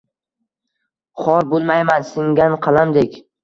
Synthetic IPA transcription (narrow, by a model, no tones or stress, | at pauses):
χɒɾbolˠmajmansɪŋɡʲanqʰɑlˠamd̪ekʲ